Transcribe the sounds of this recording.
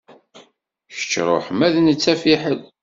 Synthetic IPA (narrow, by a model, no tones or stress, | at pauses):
çə̥t͡ʃːɾˤo̰ħmæðnət͡sːæfiħəl